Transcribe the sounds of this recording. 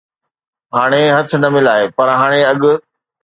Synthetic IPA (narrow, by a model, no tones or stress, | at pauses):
ɦaːɽ̃eɦɐt̪ʰɪ̆nɐmɪlaːɦepɐɾɦaːɽ̃eɐɠʊ̆